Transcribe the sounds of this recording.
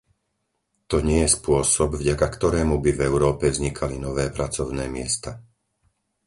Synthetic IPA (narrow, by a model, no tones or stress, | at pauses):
t̪ɔɲɪɛjɛspʊɔsɔbvɟakakt̪ɔɾɛːmubivɛʊɾɔːpɛvzɲikʰalinɔʋɛːpɾat͡sɔʊnɛːmɪɛst̪a